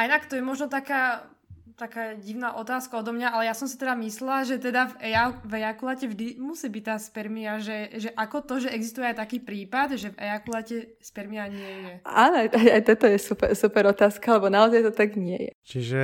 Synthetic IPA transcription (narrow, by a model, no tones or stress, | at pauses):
ʔajnakt̪ɔjɛmɔʒnɔt̪akaː | t̪akaːɟiʊnaːʔɔt̪aːskaɔd̪ɔmɲaʔalɛjasɔmsit̪ɛd̪amislɛlaʒɛt̪ɛd̪avɛavɛakulacɛvʒd̪imusiːbic̚t̪aːspɛɾmiaʒɛʒɛʔakɔt̪ɔʒɛʔɛɡzist̪ujɛajt̪akiːpɾiːpad̪ʒɛvɛ̰akulacɛspɛɾmiaɲɪɛjɛaːnɔajajajt̪ɛt̪ɔjɛsupɛsupɛɾɔt̪aːskalɛbɔnaɔzajt̪ɔt̪aɡɲɪɛ̰jɛ̰t͡ʃiʒɛ